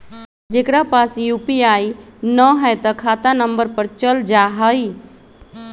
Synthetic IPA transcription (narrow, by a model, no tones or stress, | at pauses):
d͡ʒekɾapasjupiainəɦəjt̪əkʰat̪anəmbəɾpəɾt͡ʃəld͡ʒaɦəj